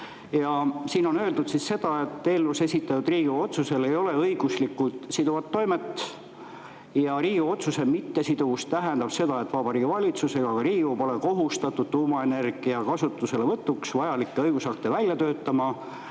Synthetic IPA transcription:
jɑsiːno̞nø̞ld̪ud̪sisːe̞d̪̥ɑe̞t̪ːeːlvuse̞sʲit̪ːˑɑt̪ud̪riːɡuo̞t̪suse̞le̞jo̞le̞ɤiɡ̥uslikːut̪sid̪uvɑt̪ːo̞jmet̪ːˑ | jɑɾiːɡuo̞t̪suse̞mit̪ːe̞sid̪uust̪æɦe̞nd̪̥ɑb̥se̞d̪̥ɑe̞t̪ːˑvɑbɑɾiːɡ̥ivɑlʲit̪suse̞ɡ̥ɑkɑɾiːɡupo̞le̞ko̞ɦust̪ɑt̪ːˑud̪̥̚t̪uːmɑe̞ne̞rɡ̥iɑkɑsut̪ːˑuse̞le̞vɤt̪ːˑuksvɑjɑlikːeɤjɡ̥usɑk̚t̪e̞vælʲjɑt̪ø̞ːt̪ːˑɑmɑ

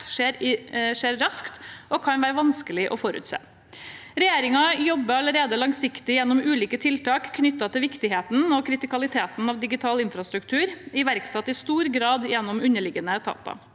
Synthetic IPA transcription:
ʂeːɾʂeːɾɾɑskt̪ɔːkʰɑnʋæːɾəʋɑnskəlɪʔɔfɔɾʉ̰ːt̪sḛː | ɾɛjeːɾɪŋɑjɔbːəɾɑləɾeːd̪əlɑŋsɪkt̪ɪjɛnːɔmʉːliːkət̪ʰɪlt̪ɑːkkʰːnʏt̪ːɑt̪ɪlʋɪkt̪ɪɦeːt̪n̩ɔkʰɾɪt̪ɪkɑlɪt̪ʰeːt̪nɑʋd̪ɪɡɪt̪ʰɑːlɪnfɾɑst̪ɾʉkt̪ʰʉːɾɪʋæɾksɛt̪ːɪst̪uːɾɡɾɑːd̪jɛnːɔmʉnːəɭɪɡənət̪ʰɑ̰ːt̪ɑ̰

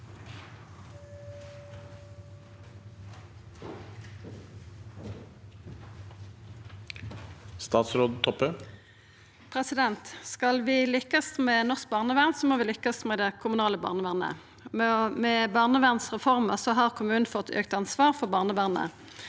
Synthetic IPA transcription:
st̪ɑːt̪sɾoːd̪t̪ʰɔpə | pʰʁɛsɪd̪ɛnt̪skɑlʋɪlʏkːəsmɛnɔʁsk̚bɑːʁnəʋæʁnsɔmoːʋɪlʏkːəsmɛd̪ɛkʰʊmʉnɑːləbɑ̰ʁnəʋæʁnə̰ | mmɛbɑːʁnəʋæʁnsʁɛfɔʁməʁsɔɦɑʁkʰʊmʉːnn̩fɔt̪ʰø̰ːkt̪ɑnsʋɑːʁfɔʁbɑːʁnəʋæʁnə̰

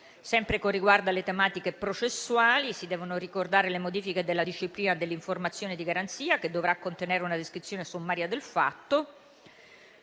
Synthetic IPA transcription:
sɛmpɾekorːiɡward̪alet̪emaːt̪ikepɾot͡ʃesːuaːlisid̪ɛːvonorikord̪aːɾelemod̪iːfiked̪elːad̪iʃːipliːnad̪elːiɱformat̪sːjoːned̪iɡaɾant̪siːaked̪ːovɾakːont̪eneːɾeunad̪eskɾit̪sːjoːnesomːaːɾjad̪elfa̰t̪ːo

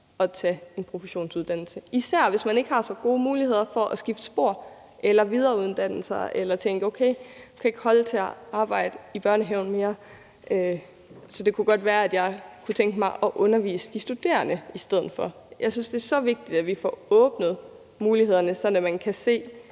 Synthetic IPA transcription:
ɒ̽t͡sʰɛe̝npʰʁo̝fəɕo̝̰ːnsuð̞ˠd̥ænl̩səisæɐ̰ʋe̝smæne̝ɡ̥hɑ̈sɒ̽ɡ̥o̝ːmuːlihe̝ð̞̰ˠɐfɒ̽ʔæsɡ̥ifd̥sb̥o̝ɐ̰ | ʔelɐʋið̞ˠɐːuð̩ˠd̥æn̰l̩sɑɪʔelɐt͡sʰeŋɡ̥əoʊkʰeɪikʰæe̝ɡ̥hɒ̽lt͡sʰe̝æɑ̈ːb̥ɑ̈ɪ̰d̥əib̥ɶɐnəɦeʊn̩me̝ːɐ | ʔø | sɒ̽d̥e̝kʰuɡ̥ɒ̽d̥ʋæːɐæd̥jɑ̈ɪkʰut͡sʰeŋɡ̥əmɑ̈ɪʔɒ̽ʔɔ̽nɐʋḭːsə̥d̥isd̥ud̥e̝̰ːɐnəisd̥eð̞̰̩ˠfɒ̽ | jʔɑ̈ɪsynsd̥e̝æɐsɒ̽ʋe̝ɡ̥̚d̥id̥æʋifɒɔ̽ːb̥nəð̞̩ˠ | muːliɦe̝ð̞̰ˠɐnəsɒ̽n̰æmænkʰæse̝̰ː

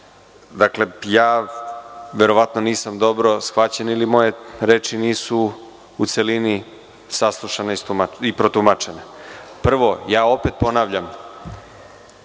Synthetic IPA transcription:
d̪akle̞jaː | ʋe̞ɾo̞ʋat̪no̞niːsamd̪o̞bɾo̞sxʋat͡ɕenilimo̞jeɾeːt͡ʃiniːsu | ut̪se̞lini | saslˠuʃaneist̪umaipɾot̪umat͡ʃe̞nepr̩ʋo̞jaːo̞pe̞t̪̚po̞naːʋʎam

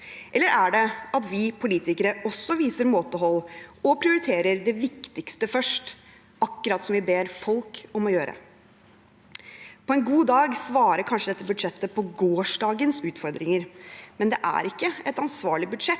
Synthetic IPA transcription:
ʔɛlːəɾʔæɖɛɑt̪ʋɪpʰʊliːt̪ɪkəɾəɔsːɔʋiːsəɾmoːt̪əɦɔlːɔpʰɾɪʊɾɪt̪ʰeːɾəɾd̪ɛʋɪkt̪ɪkst̪əfœʂʈ | ɑkːʉɾɑt̪sɔmʋɪbeːɾfɔlkɔmɔjøːɾə̰ | pʰɔɛnɡuːd̪ɑːɡsʋɑːɾəɾkʰɑnʂəd̪ɛt̪ːəbʉd̪ʂɛt̪ːəpʰɔɡoːʂɖɑːɡənsʉːt̪fɔɾd̪ɾɪŋəɾmɛnd̪ɛʔæ̰ɾɪkːəɛt̪ɑnsʋɑːɭɪbʉd̪ʂɛt̪

